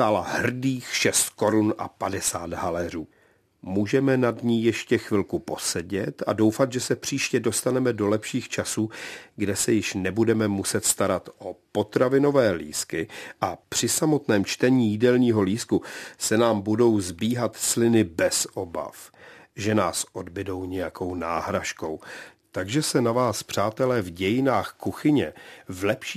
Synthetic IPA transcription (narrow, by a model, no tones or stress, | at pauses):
aːlaɦr̩diːxʃɛst̪ko̞ɾunʔa̰padɛsaːd̪ɦalɛr̝uː | muːʒɛmɛnadɲiːjɛʃcɛxvɪlkupo̞sɛɟɛt̪a̰do̞wfat̪ʒɛsɛpr̝̥iːʃcɛdo̞st̪anɛmɛdo̞lɛpʃiːxt͡ʃasuːɡdɛsɛjɪʃnɛbudɛmɛmusɛt̪st̪aɾat̪ʔopo̞t̪ɾavɪno̞vɛːlḭːskɪʔapr̝̥ɪsamo̞t̪nɛːmt͡ʃt̪ɛɲiːjidɛlɲiːɦo̞liːskusɛnaːmbudo̞wzbiːɦat̪slɪnɪbɛsʔo̞ba̰fʒɛnaːsʔo̞dbɪdo̞wɲɛjako̞wna̰ːɦɾaʃko̞̰w | t̪aɡʒɛsɛnavaːspr̝̥aːt̪ɛlɛːvɟɛjɪnaːxkuxɪɲɛvlɛpʃi